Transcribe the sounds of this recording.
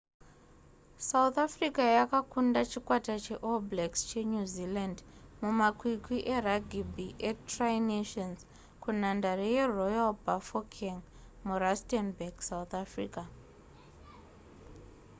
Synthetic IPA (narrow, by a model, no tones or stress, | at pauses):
saut̪afrikajakakundat͡ʃikwatat͡ʃe̞ʔoblekst͡ʃeɲuzilandmumakwikwiʔeraɡʱibiʔetrajneʃons | kunandarijerojalbafokʰeŋ | murastenbaɡsaut̪afrḭːka